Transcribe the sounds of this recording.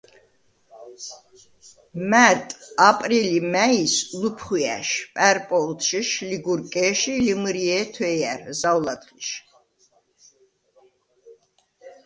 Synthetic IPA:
mæt̪ʼapʼɾilimæislupʰχiæ̰ʃpʼɛɾpʼɔlt̪ʃiʃliɡuɾkʼɛʃilimɾiɛt̪ʰwɛjæɾzawlad̪χiʃ

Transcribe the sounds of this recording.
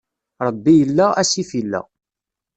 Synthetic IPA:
ɾˤəbːijəlːææsifilːæ̰

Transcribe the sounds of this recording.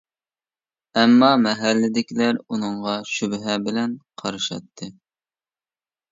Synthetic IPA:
ɛmːɑmɛɦælːɪd̪ɪkʲilæɾunɨɴʁɑʃybɦɛbɪlɛnqʰɑɾɨʃɑ̰t̪ʰːɨ

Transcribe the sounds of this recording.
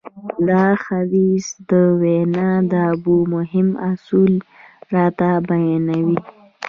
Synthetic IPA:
d̪ɑxawizd̪əwenɑd̪əabumʊɦɪmasulɾɑt̪abajɑnawi

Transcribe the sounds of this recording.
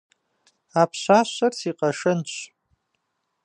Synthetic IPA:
apʰɕʷaɕʷarsʰiqʼaʂɨnt͡ʃʷʰ

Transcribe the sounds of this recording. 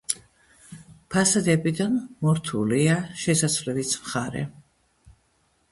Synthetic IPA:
pʰasad̪ɛbid̪anmɔɾt̪ʰṵliaʃɛsat̪sʰvlɛvismχaɾɛ̰

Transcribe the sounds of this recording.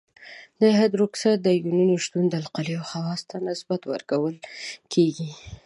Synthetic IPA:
d̪əɦad̪ɾʊksat̪̚d̪əjununiʃt̪und̪əalqalijawhawɑst̪ʰanɪsbat̪wə̰ɾkawəlkʰeɡi

